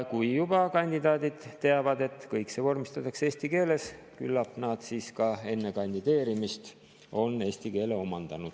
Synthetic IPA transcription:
kujjub̥ɑkɑnʲd̪̥id̪ɑːd̪id̪̥t̪ːe̞ɑvɑd̪e̞t̪ːkɤjksevo̞rmist̪ɑt̪ːˑɑkseːsʲt̪ike̞ːle̞s | kylːɑpːnɑd̪̥siːskɑe̞nːe̞kɑnʲd̪id̪̥e̞ːɾimist̪ | o̞nːe̞ːsʲt̪ike̞ːle̞o̞mɑnd̪̥ɑnud̪̥

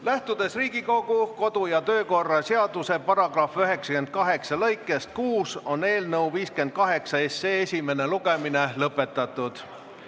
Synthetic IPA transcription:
læht̪ud̪̥e̞sriːɡiko̞ɡ̥uko̞d̪̥ujɑt̪ø̞ːko̞rːɑseɑd̪̥use̞pɑɾɑɡ̥rɑfyɦe̞ksɑ̥ke̞nd̪̥̚kɑɦe̞ksɑlɤjkːˑe̞st̪̚kuːso̞ne̞ːlnɤwviːske̞nd̪̥̚kɑɦe̞ksɑesːeːesʲime̞ne̞luɡ̥e̞minelɤpːˑe̞t̪ːˑɑt̪ːˑud̪̥

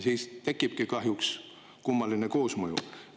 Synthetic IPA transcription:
siːst̪e̞kːˑib̥̚kikɑɦjuks | kumːɑlineko̞ːsmɤjṵ

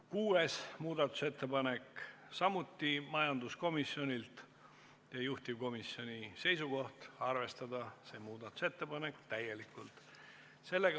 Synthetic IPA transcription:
kuːe̞smuːd̪ɑt̪ːˑu̥se̞t̪ːe̞pɑne̞k | sɑmut̪ːˑimɑjɑnd̪̥usko̞misjo̞nʲilt̪ | jɑjuht̪iko̞misːjo̞nʲise̞jsuko̞ht̪ɑrve̞st̪ɑd̪ɑse̞muːd̪ɑt̪ːˑu̥se̞t̪ˑːe̞pɑnekt̪æje̞likːˑult̪ | se̞lːeɡ

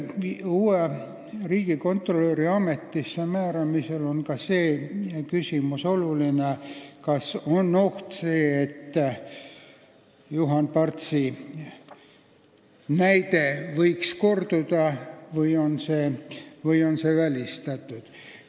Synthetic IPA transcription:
iuːe | riːɡ̥iko̞nt̪ro̞løɾiɑme̞t̪ːisːemæːɾɑmise̞lo̞nkɑse̞ːkysʲimuso̞lulinekɑso̞nːoht̪se̞ːet̪ː | juɦɑnpɑrt̪si | næjt̪e̞vɤjksko̞rd̪ud̪ɑvɯjo̞nsevɤjo̞nsevælʲist̪ɑt̪ːˑud̪̥

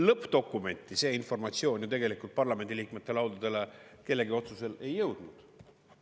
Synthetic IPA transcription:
lɤpːt̪o̞kːume̞nʲt̪ːˑise̞ːinfo̞rmɑt̪sio̞ːnʲjut̪e̞ɡe̞likˑult̪̚pɑrlɑme̞nd̪iliːkme̞t̪ːe̞lɑwd̪ud̪̥e̞leke̞lːe̞ɡio̞t̪suse̞le̞jːɤwd̪̥nud̪̥

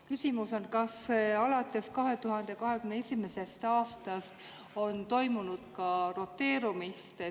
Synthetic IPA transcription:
kysimuso̞nkɑsɑlɑt̪ːˑe̞skɑɦe̞t̪uɦɑnd̪̥e̞kɑɦe̞kymneesʲime̞se̞st̪ɑːst̪ɑst̪ | o̞nt̪o̞jmunud̪̥kɑro̞t̪ːe̞ːɾumist̪e

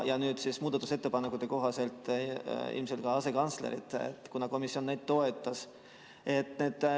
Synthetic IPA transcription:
jɑnyːd̪sismuːd̪ɑt̪ːˑuse̞t̪ːe̞pɑnekːˑut̪ːe̞ko̞ɦɑse̞lt̪ːˑ | ḭlmselkɑɑse̞kɑnt̪slḛɾḭt̪ḛt̪ːˑkunɑko̞misio̞nːejd̪̥̚t̪ːo̞e̞t̪ˑːɑs | e̞t̪ːneːd̪̥

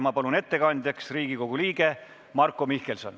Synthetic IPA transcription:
mɑpɑlune̞t̪ːe̞kɑnʲd̪̥ʲjɑksriːɡiko̞ɡ̥uliːɡ̥e̞ | mɑrkːˑomihkelso̞n

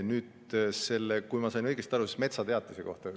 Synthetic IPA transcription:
nyːd̪̥ | se̞lːekujmɑsɑjnɤjɡ̥est̪ɑɾusest̪me̞t̪sɑt̪e̞ɑt̪liseko̞̰ht̪ɑ

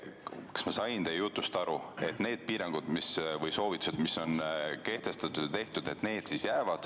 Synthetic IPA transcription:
kɑ̥smɑsɑjnd̪ejjut̪ːˑust̪ɑɾue̞t̪ˑne̞ːd̪̥̚piːɾɑŋɡ̥ud̪̥misvɤjso̞ːvit̪ːˑu̥sed̪̥miso̞nke̞ht̪e̞st̪ɑt̪u̥t̪e̞ht̪ud̪e̞t̪ːne̞ːd̪̥sisjæːvɑd̪̥

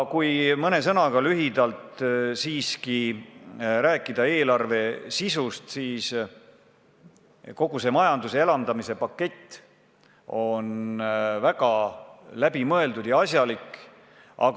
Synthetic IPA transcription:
kujmɤne̞s̬ɤnɑɡ̥ɑlyɦid̪ɑlt̪siːski | ɾæːkːˑid̪̥ɑe̞ːlɑrve̞sisust̪siːs | ko̞ɡ̥use̞mɑjɑnd̪usee̞lɑnd̪ɑmise̞pɑkːe̞t̪ː | o̞nvæɡ̥ɑlæbimɤe̞ld̪ud̪̥jɑɑsjɑlikːˑ | ʔɑ̰k

